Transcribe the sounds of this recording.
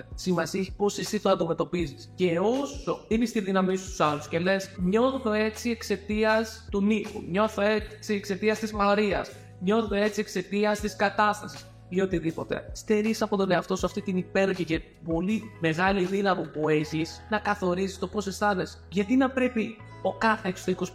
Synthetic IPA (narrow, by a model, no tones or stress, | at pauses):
simɐsiposesit̪oɐnd̪ime̞t̪o̞pizisce̞oso̞inist̪iðinɐmist̪u̥sɐlusce̞le̞sɲo̞θoe̞t͡sie̞kse̞t̪iɐst̪unipṵmɲo̞θoet͡siekse̞t̪iɐst̪izmɐoɾiɐ̰s | ɲo̞θot̪oe̞t͡siekse̞t̪iɐst̪iskɐt̪ɐst̪ɐsi̥s | io̞t̪iðipo̞t̪e̞̰st̪e̞ɾisɐpo̞t̪o̞ne̞ɐft̪o̞sɐft̪it̪inipe̞ɾoçice | po̞lime̞ɣɐliðinɐmupueçisnɐkɐθo̞ɾizist̪o̞po̞sesθɐne̞s | ʝɐt̪inɐpɾe̞pi | okɐθeːksot̪eɾikos